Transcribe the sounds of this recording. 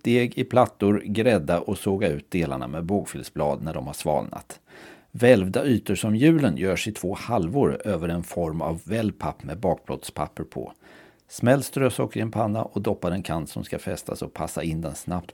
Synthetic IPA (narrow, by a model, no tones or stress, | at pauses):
st̪eːɡɪpʰlat̪ːʊɾɡɾɛd̪ːaʔɔsoːɡaʉ̟ːt̪̚d̪eːla̰ɳa̰mɛboːkfʏlsblɑ̰ːd̪næɖɔmhaʂvɑ̰ːlna̰t̪ | vɛlvd̪aʔyːt̪əʂɔmjʉ̟ːlənjœːʂɪt̪ʰv̥oːhalvoːɾøːvəɾɛnfɔɾma̰vːɛlːpʰapːmɛbɑːk̚b̥lɔ̰t̪spʰa̰pːəɾpʰɔ̰ | smɛld̪st̪ɾøːsɔkːɾɪɛnpʰanːa̰ʔɔd̪ɔpːaɾɛnkʰant̪sɔmskafɛst̪ʰasɔpʰasːaɪnd̪ɛnsnapt̪